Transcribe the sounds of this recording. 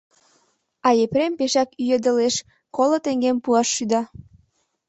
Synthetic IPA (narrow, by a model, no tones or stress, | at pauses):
ɑjepɾempeʃɑkyjed̪ə̆leʃ | kolot̪eŋɡempuɑʃːyd̪ɑ